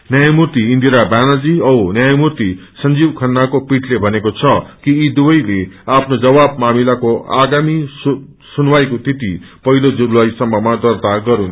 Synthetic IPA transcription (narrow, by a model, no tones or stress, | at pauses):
njajmurt̪iːnd̪iɾabanad͡ziʌwnjajmurt̪isʌnd͡zibkʰʌnːakopiʈʰlebʱʌnekot͡sʰʌkiːd̪uwʌjleapʰnod͡zʌβab̚mamilakoa̰ɡamis | sunwajkot̪ʰit̪ipʌɦilod͡zulːaisʌmːʌmad̪ʌrt̪aɡʌɾun